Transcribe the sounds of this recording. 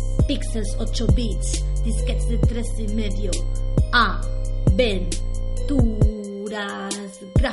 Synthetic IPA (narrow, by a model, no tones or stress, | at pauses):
pikselsot͡ʃobit͡sd̪̥isket̪sd̪et̪ɾesimeðjoabent̪u | ɾa | s | ɡɾa